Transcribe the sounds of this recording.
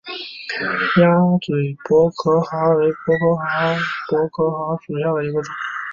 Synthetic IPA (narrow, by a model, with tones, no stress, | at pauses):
jjɑ˥ŋt͡swe˨˩ɪpwɔ˧˥kʰɤ˧˥xa˧˥we˧˥ɪpwɔ˧˥kʰɤ˧˥xa˧˥pwɔ˧˥kʰɤ˧˥xa˧˥ʊʈ͡ʂu˨˩jɑ˥˩ʊd̪ə˩i˧˥ɡə˧ʈ͡ʂʊ˨˩˦ŋ